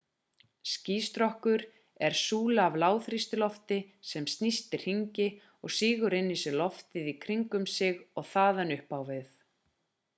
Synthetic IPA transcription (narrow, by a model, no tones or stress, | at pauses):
sciːst̪ɾɔhkʏɾ | ɛɾ̥suːlaavlaːwθɾist̪ɪlɔft̪ɪsɛmst̪nist̪ɪɾ̥hiɲcɪ | ɔɣsiːɣʏɾɪnːisɪlɔft̪ɪðikʰɾiŋkʏmsɪɣɔɣθaːðanʏhpaːwvɪθ